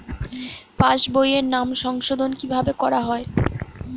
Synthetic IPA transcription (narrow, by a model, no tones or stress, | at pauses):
paʃbojeɾnamʃɔŋʃod̪ʱonkibʱabekɔɾaɦɔe